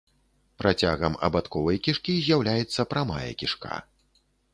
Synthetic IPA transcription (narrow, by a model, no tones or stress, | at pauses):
pɾʔat͡sʲaɣɐmɐ̰bat̪kɔvɐjkʲiʂkʲizʲjawlʲajɛt̪sːɐpɾama̰jɐ̰kʲiʂka̰